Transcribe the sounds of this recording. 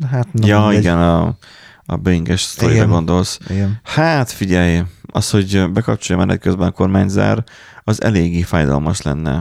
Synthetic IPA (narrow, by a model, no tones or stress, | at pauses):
ɦat̪njɒiɡɛnɒ | ɒ̰bøiŋɡɛʃst̪o̞ɾiɾɒɡo̞nd̪o̞lsiɡɛhaːt̪fiɟɛjɒsho̞ɟbɛkɒp̚t͡ʃojɒmɛnʔɛ̰t̪̚køzbɛnɒko̞rmaːɲza̰ːr | ɒzɛ̰leːɡːeːfaːjd̪ɒ̰lmɒʃlɛ̰nːɛ̰